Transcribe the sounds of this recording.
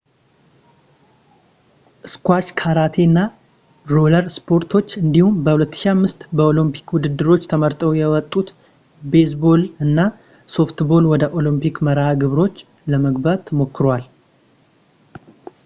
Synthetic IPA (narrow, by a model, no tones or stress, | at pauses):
ʔɨskʷat͡ʃkʰaɾat̪ʰe̞nːa | ɾoləɾspʰo̞ɾt̪ʰo̞t͡ʃːɨnd̪ihumbəhulət̪ːɨ̥ʃiamːɨst̪bəo̞lɨmpʰi̥kwʊd̪ɨd̪ːɨɾo̞t͡ʃːt̪ʰəməɾt̪ʼəwjɛwɔt̪ʼːut̪ | be̞sbo̞lɨnːa | so̞ft̪bo̞lwɔd̪əʔo̞lɨmpʰikməɾaɡɨβɾo̞t͡ʃː | ləməɡbat̪ʰːəmo̞kːɨɾwal